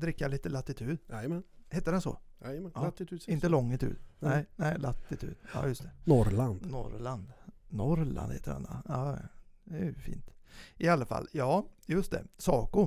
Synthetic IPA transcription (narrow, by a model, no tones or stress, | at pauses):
d̪ɾɪkːaliːt̪əlat̪ːɪt̪ʰʉ̟ːd̪ɛjmɛnhɛt̪ːəd̪ɛnsɔ̰ | at̪ːɪt̪ʰːɪnt̪ːəlɔŋːɪt̪ʰʉ̰ːd̪nɛɪnɛɪlat̪ːɪt̪ʰy̟ːd̪ɑ̰ːjɵst̪ʰɛ̥nɔɾland̪nɔ̰ɾland̪nɔɾla̰nd̪hḛːt̪əɾɛ̰na̰ɑːɛfḭːnt̪ʔɪalːafa̰lːjɑːjɵst̪d̪ɛ̰sɑːkʊ